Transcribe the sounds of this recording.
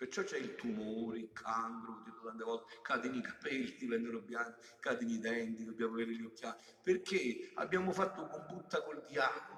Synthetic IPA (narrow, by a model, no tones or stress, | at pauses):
pert͡ʃːɔt͡ʃːɛilt̪umoːɾeilkʰaŋkɾot̪ːiot̪ant̪eɔlt̪ekaːt̪inikḁpɛlːid̪ipɛnːeɾobːjaːk̪i | kaːt̪inid̪ɛnt̪id̪obːjaːmaveːɾɪlːokːja | perkʰea̰bːjaːmʊfat̪ːʊkombut̪ːakold̪jaːk̪o